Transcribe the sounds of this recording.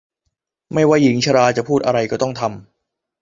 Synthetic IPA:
ma˥˩jwa˥˩ji˩˦ŋt͡ɕʰa˧ɾaː˧t͡ɕa˨˩pʰuː˥˩t̪̚ʔa˧ɾa˧jkɔː˥˩t̪ɔ˥˩ŋt̪ʰa˧m

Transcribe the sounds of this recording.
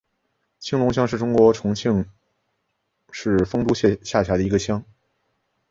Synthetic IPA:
t͡ɕʰi˥ŋlʊ˧˥ŋɕ̬jɑ˥ŋʂɻ̩˥˩ʈ͡ʂʊ˥ŋkwɔ˧˥ʈ͡ʂʰʊ˧˥ŋt͡ɕʰi˥˧ŋ | ʂɻ̩˥˩fɤ˥ŋt̪u˥ɕɕja˥˩t͡ɕʰja˧˥d̪ə˧˩i˧˥ɡə˧ɕjɑ˥ŋ

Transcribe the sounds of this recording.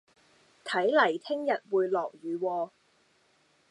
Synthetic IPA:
t̪ʰɐ˨˥jlɐ˨˩jt̪ʰɪ˥ŋjɐ˨t̚wuː˨˧jlɔː˨k̚ɥyː˨˧wɔː˧

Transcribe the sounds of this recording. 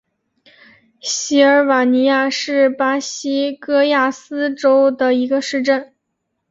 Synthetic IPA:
ɕi˧˥ə˞˧˥wa˨˩ni˧˥ja˥˧ʂɻ̩˥˩pa˥ɕi˥kɤ˥ja˥˩sɹ̩˥ʈ͡ʂo˥ʊd̪ə˨i˧˥ɡə˧ʂɻ̩˥˧ʈ͡ʂə˥˩n

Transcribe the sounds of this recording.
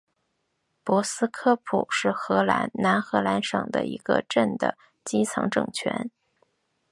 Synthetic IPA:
pwɔ˧˥sɹ̩˥kʰɤ˥pʰṵ˨˩ʂɻ̩˥˩xɤ˧˥la̰˧˥nna˧˥nxɤ˧˥la˧˥nʂɤ̰˨˩ŋd̪ə̰˦i˧˥ɡ̥ə̰˧ʈ͡ʂə˥˩nd̪ə̰˩ | t͡ɕi˥t͡sʰɑ̰˧˥ŋʈ͡ʂɤ̰˥˨˩ŋt͡ɕʰɥɛ̰˧˥n

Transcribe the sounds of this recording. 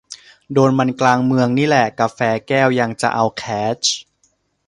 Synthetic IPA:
doː˧nma˧nklaː˧ŋmɯ˧əŋniː˥˩lɛ˨˩ka˧fɛː˧kɛː˥˩wja˧ŋt͡ɕa̰˨˩ʔa˧wkʰɛː˦˥t͡ɕʰ

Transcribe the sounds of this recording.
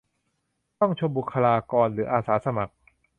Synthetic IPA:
t̪ɔ˥˩ŋt͡ɕʰo˧mbu˨˩kʰːa˧laː˧kɔː˧nɾɯː˩˦ʔaː˧saː˩˦˥sa˧ma˨˩k̚

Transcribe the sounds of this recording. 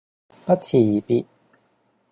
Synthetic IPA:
pɐ˦˥t̚t͡sʰiː˨˩ji˨˩pi˧˥t̚

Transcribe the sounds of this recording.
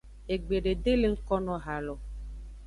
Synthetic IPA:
e˨ɡ͡be˨ɖe˨de˦le˦ŋ̩˦kɔ˦nɔ̃˨ɦa˨lɔ˨

